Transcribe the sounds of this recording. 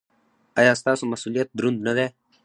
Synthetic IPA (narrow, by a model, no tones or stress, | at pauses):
ajaːst̪aːsomɐsuːlijət̪̚d̪ɾund̪nɐd̪ɛː